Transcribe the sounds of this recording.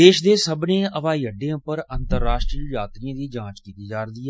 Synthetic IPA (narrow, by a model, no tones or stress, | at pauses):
eːʃd̪eːsəbnẽːəʋaːiːəɖːẽãːpəɾənt̪əɾːaːʃʈɾijaːt̪ɾiːãːd̪iːd͡ʒãːt͡ʃkiːt̪iːd͡ʒaːɾd̪iːɛ